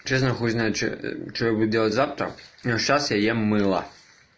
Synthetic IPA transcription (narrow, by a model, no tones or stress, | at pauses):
t͡ʃɛsnɐxɔznajt͡ʃt͡ʃɔɔjbud̪dʲːɛlˠɐtʲzawt̪ɾɐ̰ɔʂt͡ʃasjɐjɛmɪlˠɐ̰